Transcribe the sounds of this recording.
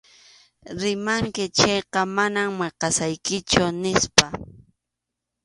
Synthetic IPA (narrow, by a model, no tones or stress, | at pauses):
ɾɪmaŋkɪt͡ʃejqɑmanammeqɑsajkɪt͡ʃʊnɪspa